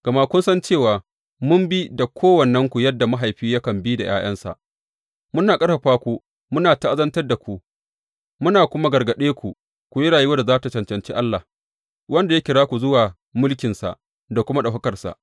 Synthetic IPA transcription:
ɡ̥ɐ˨ma˦kʷʊ˦nsɐ˦nt͡ʃeː˦˨waː˨ | mʊ˦mbi˦da˨kʷʰoː˦wɐ˨nːɐ˦ŋkʷu˨jɐ˦dːa˨ma˦ɦa˨jɸiː˦ja˦kɐ˨mbi˦da˨jʔaː˦j̰ʔɐ˦nsa̰˨ʔ | mʊ˦naː˨kʼɐ˦ɸa˨ɸaː˦kʷuː˦ | mʊ˦naː˨ta˦ʔa˦zɐ˦ntɐ˦rda˨kʷu˨ | mʊ˦naː˨kʷʊ˦ma˦ɡɐ˨rɡɐ˨ɗeː˦kʷu˨ | kʷu˨jɐ˦ɽaː˨ji˦wɐ˦da˨zaː˦ta˨t͡ʃɐ˨nt͡ʃɐ˨nt͡ʃḭː˦ʔa˦lːa˨h | wɐ˦nda˨ja˦kʲɪ˨ɽaː˦kʷu˨zʊ˦waː˨ | mʊ˦lkʲɪ˨nsa̰˨ʔ | da˨kʷʊ˦ma˦ɗɐ˨ɦɐ˦kɐ˨rsa̰˨ʔ

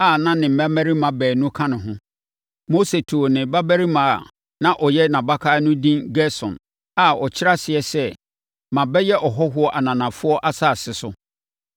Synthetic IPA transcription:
a˦˨nã˦nɪ̃˨m̩˨bæ˦mæ̃˦ɾi˦mã˨bɛː˨nʊ̃˦kʰã˦nɪ̃˨ɦʊ̃˦ | mo˦se˨tʰu˨o˨nɪ̃˨ba˦bæ˦ɾi˦mãː˨ | nã˦ʔɔ˨jɛ˦nã˨ba˦kʰaː˦nʊ̃˦dĩ˦nɡɛ˦sɔ̰̃˨n | a˦˨ɔ˨t͡ɕʰɪ˦ɾa˦sɪ˨ɛ˨sɛ˦ | mã˨bɛ˦jɛ˦ʔɔ˨ɦɔ˦ɦʊ˦ɔ˦ʔa˨nã˨nã˨fʊ˦ɔ˦ʔa˦saː˦˨sɪ˨sʊ˦

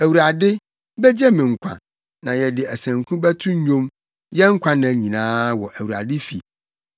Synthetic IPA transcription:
æ˨wu˨ɾa˨dɪ˦ | bɛ˦d͡ʑɛ˦mɪ̃˨ŋ̩˨kʷʰã̰˨ | nã˨jɛ˨dɪ˨æ˨sæ̃˨ŋ˨kʰũ˦bæ˦tʰʊ̃˦ɲᶣõ˦m | jɛ˦ŋ̩˦kʷʰã˦nã˨ɲĩ˨nãː˦wɔ˨ʔæ˨wu˨ɾa̰˨dɪ˦fi˨

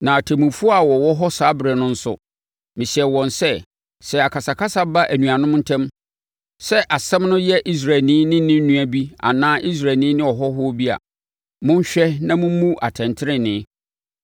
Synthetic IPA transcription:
nã˨tʰæ˨mũ˨fu˦a˨wɔ˨wɔ˦ɦɔ˦saː˨˦bɾɛ˨nʊ̃˦n̩˦sʊ̰˦ | mɪ̃˨ɕi˨ɛ˨wɔ̃˨nsɛ˦ | sɛ˨a˨kʰa˨sa˨kʰa˦sa˦ba˦ʔæ˨nũ˨a˨nʊ̃˦m˦n̩˦tʰɛ̃˦m | sɛ˦ʔa˨sɛ̃˦mnʊ̃˦jɛ˦ʔi˦s̬ɾa˨nĩ˦nɪ̃˦nɪ̃˦n̩˦nũ˦æ˨bi˦a̰˨nãː˦ʔi˦s̬ɾa˨nĩ˦nɪ̃˦ɔ˨ɦɔ˦ɦʊ˦bi˦a̰˨ | mʊ̃˦ɲ̩˦ɕᶣɛ˦nã˦mʊ̃˦mũ˦ʔa˨tʰɛ̃˨ntʰɪ˦ɾɪ̃˦nɪ̃˨˦

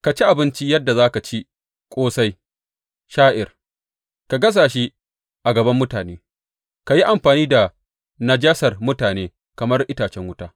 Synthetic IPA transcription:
ka˨t͡ʃi˦ʔa˨bɪ˦nt͡ʃi˦jɐ˦dːa˨zaː˦ka˨t͡ʃi˦ | kʷʼoː˦sa˦j | ʃaː˦ʔɪ˨r | ka˨ɡɐ˦s̬aː˨ʃ̬i˦ | ʔa˨ɡɐ˨bɐ˦mːʊ˦taː˨neː˦ | ka˨ji˦ʔa˨mɸaː˨niː˦da˨ | nɐ˨d͡ʒaː˦sɐ˨rmʊ˦taː˨neː˦ | kɐ˨mɐ˦rʔɪ˦taː˨t͡ʃɛ˦ŋwʊ˦taː˦

